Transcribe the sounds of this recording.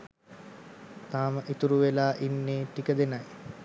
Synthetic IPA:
t̪aːməʔit̪uɾuʋelaːʔinːeːʈikəd̪enaj

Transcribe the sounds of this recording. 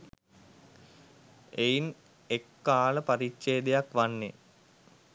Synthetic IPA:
ejn | ekːaːləpɐɾiʃejːd̪ejakʋanːe

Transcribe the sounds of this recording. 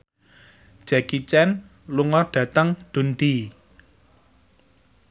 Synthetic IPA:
d̥ʒ̥akit͡ʃɛn | luŋɔɖ̥ä̤t̪əŋɖ̪̥ṳnɖ̪i

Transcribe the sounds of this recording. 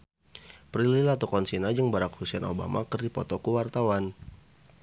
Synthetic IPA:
pɾililat̪ɔkɔnsinad͡ʒəŋbaɾakhusiɛno̰ba̰makərdipɔ̰t̪ɔkuwart̪awan

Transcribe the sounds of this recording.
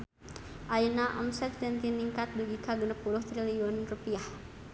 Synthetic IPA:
ʔajnaʔɔ̰msɛt̪̚d͡ʒɛnt̪iniŋkat̪̚duɡikaɡənəpulʊht̪ɾiliɔnrupiah

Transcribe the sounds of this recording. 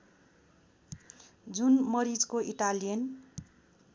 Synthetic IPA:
d͡zunmʌɾid͡zkoʔiʈalijʌn

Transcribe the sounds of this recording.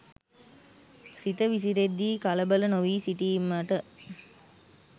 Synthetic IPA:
sit̪əʋis̬iɾed̪ːiːkɐləbələnoʋiːsiʈiːmɐʈə

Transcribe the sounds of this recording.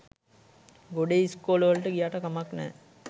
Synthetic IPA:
ɡoɖeiskoːlʋəlʈəɡijaːʈəkamaknɛ̰

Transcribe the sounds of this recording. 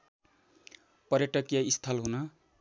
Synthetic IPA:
pʌɾjeʈʌkjaist̪ʰʌlɦunʌ

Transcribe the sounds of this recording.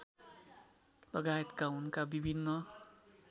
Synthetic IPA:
lʌɡajet̪kaunkabibʱinːʌ

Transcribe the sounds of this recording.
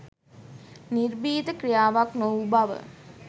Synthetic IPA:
nirbiːt̪əkɾijaːʋaknowbaʋə̰

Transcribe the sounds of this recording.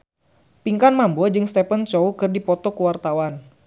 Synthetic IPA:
piŋkanmambɔd͡ʒɨŋst̪ɛpənt͡ʃɔukɨrdipɔt̪ɔkuwart̪awan

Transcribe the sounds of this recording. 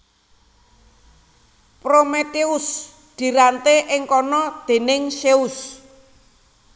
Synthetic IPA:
pɾomet̪eʊs | d̪̥i̤ɾant̪eʔɪŋkɔnɔd̪̥e̤nɪŋʃeus

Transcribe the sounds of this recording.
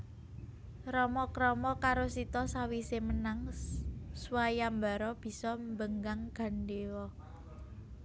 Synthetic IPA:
ɾɔmɔkɾɔmɔkaɾosit̪ɔsawisemənaŋ | swajamba̤ɾɔb̥i̤sɔmbəŋɡaŋɡ̥a̤nɖewɔ

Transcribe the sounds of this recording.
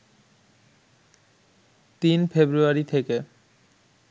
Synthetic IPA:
t̪infebɾuaɾit̪ʰeke

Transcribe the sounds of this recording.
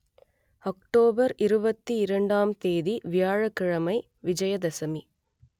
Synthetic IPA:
ɔk̚ʈoːbɐɾɪɾɯbɐt̪ːiɪɾɐɳɖaːmt̪eːðiʋɪjaːɻɐkːɪɻɐmɐɪ | ʋɪd͡ʒɐjɐd̪ɐsɐmi

